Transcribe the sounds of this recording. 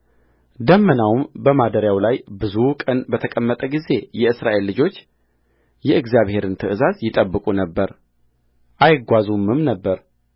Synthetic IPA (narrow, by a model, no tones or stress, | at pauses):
d̪əmːənawmbəmad̪əɾjawlajbɨzukʼənbət̪ʰəkʼəmːət̪ʼəɡize̞jɛɨsɾaʔe̞lːɨd͡ʒo̞t͡ʃː | jɛʔɨɡzijaβhe̞ɾɨnt̪ʰɨʔɨzazjɪt̪ʼəbːɨkʼunəbːəɾ | ʔajɡʷazumɨmnəbːəɾ